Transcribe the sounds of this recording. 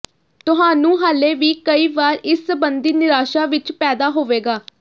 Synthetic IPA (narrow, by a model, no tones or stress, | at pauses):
t̪ʊɦaːnũːɦaːleːʋiːkəiːʋaːɾɪsːəbənd̪iːnɪɾaːʃaːʋɪt͡ʃpɛːd̪aːɦoːʋeːɡaː